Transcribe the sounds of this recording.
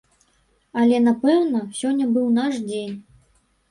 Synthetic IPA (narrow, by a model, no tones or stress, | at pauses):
ɐlʲɛnapɛwnɐsʲɔnʲːɐbɨwnaʂd͡zʲenʲ